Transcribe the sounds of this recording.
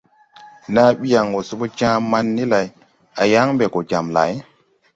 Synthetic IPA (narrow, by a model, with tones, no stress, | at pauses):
na˦ɓi˦ja˨ŋwo˨su˦ɓo˦t͡ʃãː˦ma˦nːi˦la˨j | a˨ja˦ŋbe˨ko˨d͡ʒa˨mla̰˨˦j